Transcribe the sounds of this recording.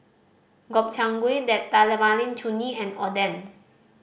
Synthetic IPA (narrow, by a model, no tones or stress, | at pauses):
ɡɔp̚t͡ʃãŋɡwedɛt̪ːalɛwalĩnt͡ʃuniɛ̃nɔdɛn